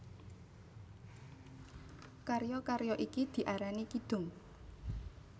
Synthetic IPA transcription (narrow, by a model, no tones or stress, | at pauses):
karjɔkaɾjɔʔikid̪̥i̤ʔaɾanikid̪̥ʊ̤ŋ